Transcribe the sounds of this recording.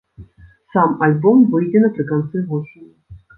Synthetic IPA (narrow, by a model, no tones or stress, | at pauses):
samalʲbɔmvɨjdʲɛnɐpɾʲɨkant̪sɨvɔʂɨnʲ